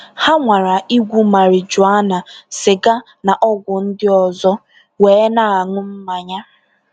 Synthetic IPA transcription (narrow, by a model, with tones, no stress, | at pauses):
ha˦ŋʷa˨ɾa˨i˦ɡʷu˦ma˨ɾɪ˨d͡ʒʊ˨a˦na˨sɪ˨ɡa˦ | na˨ʔɔ˦ɡʷʊ˨n̩˦dɪ˦ɔ˨zɔ˦ | weː˨˦na˨a˨ŋʊ˦m̩˦ma˨ɲa˦